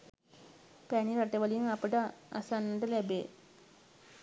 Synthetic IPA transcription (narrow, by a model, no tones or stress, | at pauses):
pæɳiɾaʈeʋəliŋapəʈəa̰sanːəʈəlæbeː